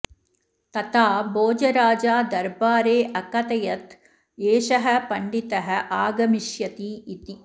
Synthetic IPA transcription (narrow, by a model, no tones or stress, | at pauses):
t̪ɐt̪ʰaːboːd͡ʒɐɾaːd͡ʒaːd̪ɐɾbaːɾeːʔɐkɐt̪ɐjɐt̪ | eːʃɐɦɐ̆pɐɳɖit̪ɐɦɐ̆ʔaːɡɐmiʃjɐt̪iːt̪i